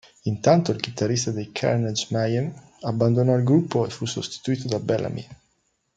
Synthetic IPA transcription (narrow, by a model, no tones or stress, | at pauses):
int̪ant̪oilk̟it̪arːist̪ad̪ejkʰa̰ɾned͡ʒmajam | abːand̪onɔilɡɾupːoefːusost̪i̥t̪uiːt̪od̪abɛlʔa̰mḭ